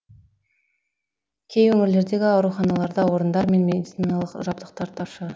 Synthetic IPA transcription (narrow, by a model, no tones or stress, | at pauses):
kʲʰe̞jwɵmɪɾle̞ɾd̪e̞ɡʲɪɑwɾuχɑnɑlˠɑɾd̪ɑwo̞ɾənd̪ɑɾme̞nmed̪it̪sinɑlˠəqʒɑb̚t̪əq̚t̪ɑɾt̪ʰɑpʃə